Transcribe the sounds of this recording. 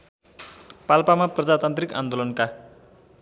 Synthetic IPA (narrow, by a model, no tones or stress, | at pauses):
palpamaprʌd͡zat̪ant̪rika̰nd̪olʌnka